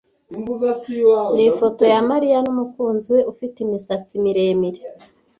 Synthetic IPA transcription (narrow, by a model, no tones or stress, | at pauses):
u | nifo̞to̞jamaɾijanumukuːnzwe̞ʔufitimisat͡simiɾe̞ːmiɾe